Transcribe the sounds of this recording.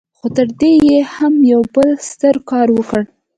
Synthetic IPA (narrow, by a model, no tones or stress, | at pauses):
xot̪əɾd̪ejehamjawbəlst̪əɾkɑɾwəkəɽ